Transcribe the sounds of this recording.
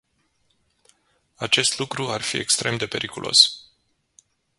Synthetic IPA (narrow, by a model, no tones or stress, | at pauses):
at͡ʃe̞st̪lukɾuarfḭe̞kst̪ɾʔe̞md̪e̞pe̞ɾʔikulʔo̞̰s